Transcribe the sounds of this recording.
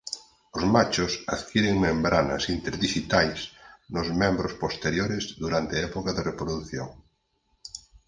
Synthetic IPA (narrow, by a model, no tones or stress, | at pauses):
ozmat͡ʃosaðkjeɾeŋmẽmbɾana̰sint̪eɾðiʃit̪ajsnʊzmɛ̃mbɾospost̪eɾjoɾezðuɾant̪eaɛpokaðerepɾoðuθjo̰ŋ